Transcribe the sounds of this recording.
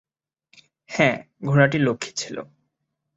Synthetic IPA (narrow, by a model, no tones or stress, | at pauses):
hɛ̃ | ɡʱuɾaʈilokʰːi̥t͡ɕʰilo̰